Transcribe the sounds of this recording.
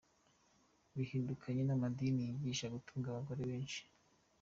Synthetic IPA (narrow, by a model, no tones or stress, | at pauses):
βihiːndukʰaɲe̞namadinijiɟiːʃaɡutʰuːŋɡaβaɡo̞ɾe̞βe̞ːnʃi̥